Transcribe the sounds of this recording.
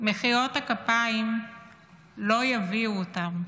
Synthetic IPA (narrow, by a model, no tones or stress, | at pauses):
meχiʁo̞takapaim | lo̞javiuotam